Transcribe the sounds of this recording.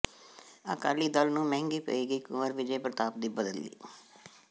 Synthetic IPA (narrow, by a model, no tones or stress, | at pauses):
a̰ːka̰ːliːd̪əlnũːmɛ̃ːŋɡiːpə̰iːɡəiːkʊməɾʋɪd͡ʒeːpəɾət̪aːp̚d̪iːbəd̪əlːḭː